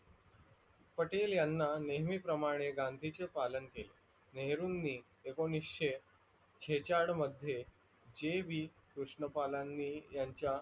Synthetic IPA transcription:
pəʈeljanːaneɦmiːpɾəmaɽ̃eɡand̪ʱit͡sepalənkele | neɦɾuːnːiː | konisɕe | t͡ɕʰet͡ɕaɽməd̪ʱːje | d͡ʑeʋiː | kuɾʂɳəpalanːiːjaɲt͡ɕja

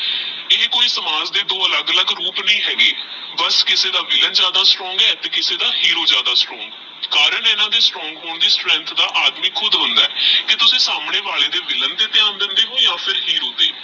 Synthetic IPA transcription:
ɪːkoːiːsəmaːzd̪eːd̪oːələɡələɡɾuːpnəĩːɦɛːɡeːbəskɪseːd̪aːʋɪlənd͡ʒjaːd̪aːsʈɾɔ̃ːŋɡɛːt̪eːkɪseːd̪aːhiːɾoːd͡ʒjaːd̪aːsʈɾɔ̃ːŋɡ | kaːɾənɪnãːd̪eːsʈɾɔ̃ːŋɡɦoːɳd̪iːsʈɾɛ̃nt̪ʰd̪aːʔaːd̪miːkʰʊd̪ɦʊnd̪aːɛːkɪt̪ʊsĩːsaːmɳeːʋaːɭeːd̪eːʋɪlənd̪eːt̪ɪãːnd̪ɪnd̪eːɦoːjãːpʰɪɾhiːɾoːd̪ḛː

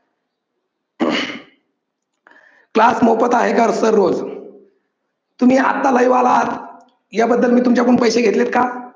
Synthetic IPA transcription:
klasmopət̪aɦekaɾsəɾːod͡z | t̪um̤iːa̰t̪ːaləjʋalat̪ | jabəd̪ːəlmiːt̪umt͡ɕjakuɳpəjɕeɡʱet̪let̪ka

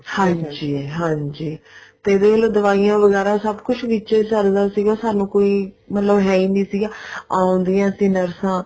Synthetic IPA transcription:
hãːɲd͡ʒiːɦãːɲd͡ʒiːt̪eːɪd̪eːəloːd̪əʋaːijãːʋəɡɛːɾaːsəbkʊt͡ʃʰʋit͡ʃeːsəɾd̪aːsiːɡaːsaːnũːkoːiː | mət̪ləbɦɛːiːnĩːsiːɡaːaːõnd̪ijãːəsĩːnəɾsãː

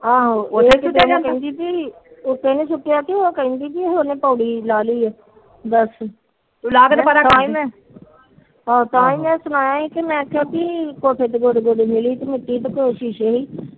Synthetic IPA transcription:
ãːɦoːed̪enẽːkə̃ːnd̪iːpiʊkːeːneːsʊʈːjaːk̪eoːkəĩːnd̪iːpiɦoːneːpɔːɽiːlaːliːɛː | d̪əs | ulaːɡnpəɾatãːiːmɛ̃ː | ɦãːt̪ãːĩːmɛ̃ːsʊnaːjãːiːkɪmɛ̃ːkʰaːpiːkoːʈʰeːt̪ːɡoɖɡoɖmɪliːt̪emɪʈːiːt̪ekoːʃiʃeɦiː

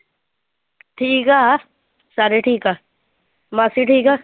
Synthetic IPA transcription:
ʈʰiːka | saɾeʈʰiːkaː | masiʈʰiːkaː

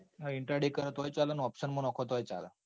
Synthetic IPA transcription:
ɦiɳʈɾaɽikəɾt̪ojt͡salanuɔpɕənmənɔkʰot̪ojt͡sa̰la

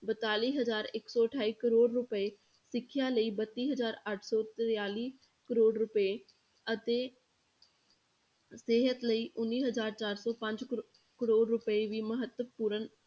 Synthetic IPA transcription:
bət̪aːliːɦəzaːɾɪksɔːəʈʰaːiːkəɾoːɽɾʊpəe | sɪkʰːjaːləiːbət̪ːiːɦəzaːɾəʈʰsɔːt̪ɾjaːliː | kəɾoːɖɾʊpəe | ət̪eː | seːɦət̪ləiːʔʊnːiːɦəzaːɾt͡ʃaːɾsɔːpə̃ɲd͡ʒ | kəɾoːɖɾʊpəeʋiːməɦət̪ːəpuːɾən

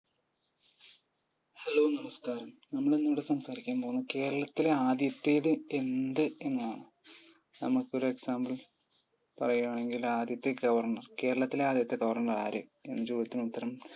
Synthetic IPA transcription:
hɐloːnɐmɐskaːɾɐmnɐmːɐɭeinːuʋiɽesɐmsaːɾikʲːaːmpoːɣunːɐke̞ːɾɐɭɐt̪ːileaːd̪jɐt̪ːe̞ːðɨe̞nd̪ɨe̞nːuðaːɳɨ | nɐmukːɨo̞ɾue̞ksaːmbɐl | pɐrɐjuaːɳe̞ŋɡilaːd̪jɐt̪ːeɡɐʋɐrɳɐrke̞ːɾɐɭɐt̪ːileaːd̪jɐt̪ːeɡɐʋɐrɳɐraːɾɨe̞nːɐt͡ɕo̞ːd̪jɐt̪ːinut̪ːɐɾɐm

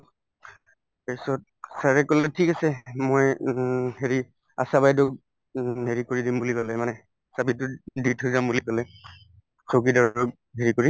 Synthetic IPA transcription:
esɔt̚saɹɛkɔlɛtʰikasɛmojheɹi | a̰sabajdʊk̚ | ɦeɹikoɹidimbulikɔlɛmanɛ | sabitʊditʰojzambulikɔlɛ | sok̬idɔɹɔk | ɦeɹikoɹi

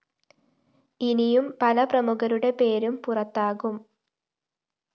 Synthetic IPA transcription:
inijumpɐlɐprɐmuɣɐɾuɽe̞pe̞ːɾumpurɐt̪ːaːɣum

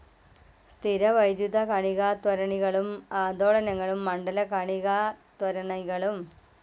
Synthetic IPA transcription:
st̪ʰiɾɐʋɐjd̪juðɐkɐɳiɣaːt̪wɐɾɐɳiɣɐɭumaːd̪oːɭɐnɐŋːɐɭumːɐɳɖɐlɐkɐɳiɣaːt̪wɐɾɐɳɐɣɐɭum

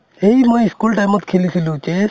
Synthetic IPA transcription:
eimojiskulʈajmɔt̪kʰelikʰilũt͡ʃe

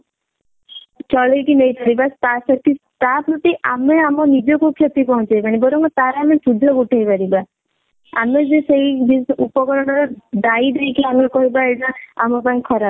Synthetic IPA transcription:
t͡ʃɔɭejkinejpaɾibast̪asɔk̚t̪it̪apɾɔt̪iʔameamɔnid͡ʒɔkukʰjɔt̪ipɔɦũt͡ʃɔjpaɽ̃ibɔɾɔŋkɔt̪aɾamesud̪ʱɔkuʈʰajpaɾiba | a̰med͡ʒeseid̪isupɔkɔɾɔɽ̃ɔɾɔd̪aid̪ejkiamekɔɦibaeʈaamɔpaĩkʰɔɾa

